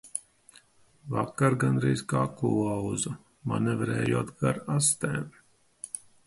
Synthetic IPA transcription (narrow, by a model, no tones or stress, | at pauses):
vakːaɾɡanɾɛjzkaːkuawzu | ma̰nɛvɾɛːjuɔːt̪ɡaɾast̪ɛ̰ːm